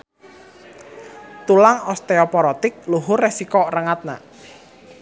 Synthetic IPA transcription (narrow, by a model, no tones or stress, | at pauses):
t̪ulaŋɔst̪eɔpɔɾɔt̪ɪk̚luɦʊresikɔrəŋat̪̚na̰